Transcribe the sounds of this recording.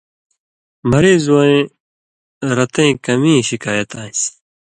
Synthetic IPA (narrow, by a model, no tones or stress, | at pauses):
mɐɾezwɐẽ | ɾɐt̪ẽːkɐmĩːɕikaːjɐt̪ãːĩs